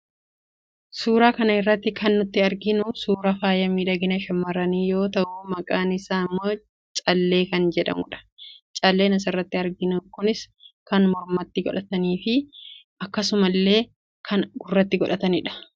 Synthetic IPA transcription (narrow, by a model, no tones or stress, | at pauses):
suːɾaːkɐnɐɪrːɐt̪ːɪkʰɐnːʊt̪ːɪɐɾɡɪnʊsuːɾɐfaːjɐmiːᶑɐɡɪnɐʃɐmːɐɾɐniːjo̞ːt̪ɐʔʊmɐkʼaːnɪsaːɪmːo | t͡ʃʼɐlːe̞ːkɐnd͡ʒɛᶑɐ̰mʊᶑɐ̥t͡ʃʼɐlːe̞ːnɐs̬ɪrːɐt̪ːɪɐɾɡɪnukʊnɪskɐnmɔɾmɐt̪ːɪɡɔ̰ᶑɐt̪ɐniːfɪʔɐkːɐsʊmɐlːe̞ː | kʰɐnɡʊrːɐt̪ːɪɡɔᶑɐt̪ɐnɪᶑɐ̥